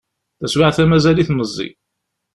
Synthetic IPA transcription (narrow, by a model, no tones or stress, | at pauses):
θæswaʕθæmæzæliθnəzˤːḭ